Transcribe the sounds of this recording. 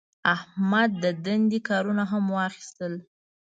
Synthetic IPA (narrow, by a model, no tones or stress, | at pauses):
ahmad̪ːəd̪and̪ikɑɾunaɦamwɑxi̥st̪əl